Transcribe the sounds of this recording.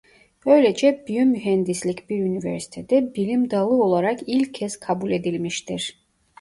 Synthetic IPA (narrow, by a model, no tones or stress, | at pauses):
ø̞jlʲed͡ʒɛbyjømyɦɛnd̪islʲicbiɾynivḛɾsi̥t̪ʰed̪ɛbilʲimd̪alˠɯo̞lˠaɾakilʲcʰːɛz̥kʰabulʲe̞d̪ilʲmiʃt̪ʰiɾ̥